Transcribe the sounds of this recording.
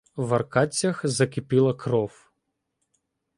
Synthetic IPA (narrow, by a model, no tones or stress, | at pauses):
ʋɐrkɑt͡sʲːɐxzɐkʲɪpɪlˠɐkɾɔw